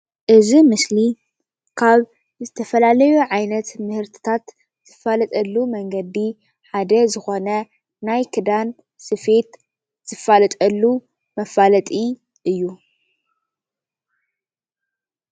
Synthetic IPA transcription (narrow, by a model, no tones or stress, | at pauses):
ʔɨzimɨsli | kʰaβ | zɨt̪ʰɐfɐlalɐjuʕajnɐt̪mɨhɨɾt̪ʰɨ̥t̪ʰat̪ | z̥ɨfalɐt̪ʼɐlːumɐŋɡɐd̪i | ħad̪ɐzɨxo̞nɐ | najkʰɨd̪an | sɨfet̪ | z̥ɨfːalɐt̪ʼɐlːu | mɐfalɐt̪ʼi | ʔɨjːu